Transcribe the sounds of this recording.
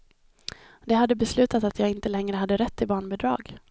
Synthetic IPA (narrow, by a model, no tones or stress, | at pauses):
d̪ɛɦad̪ːəbɛslʉ̟ːt̪at̪at̪jɑːɡɪnt̪əlɛŋɾəɦad̪ːəɾɛt̪ːɪbɑːɳbɛd̪ɾɑ̰ːɡ